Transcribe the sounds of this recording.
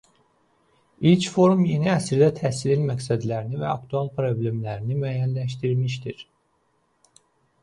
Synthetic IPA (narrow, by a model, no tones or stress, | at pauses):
ilt͡ʃʰfo̞ɾumje̞niæsiɾd̪æt̪ʰæːsilelmæcsæd̪læɾinivæɑkt̪ʰuɑlˠpʰɾo̞blʲemlæɾinimæːjænlæʃ̬t̪iɾmiʃ̬t̪iɾ̥